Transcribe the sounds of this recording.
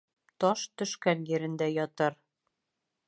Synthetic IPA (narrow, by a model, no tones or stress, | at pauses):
t̪ɒʃt̪ɵ̆ʃkænjɘ̆ɾɘ̆nd̪æjɒt̪ɤɾ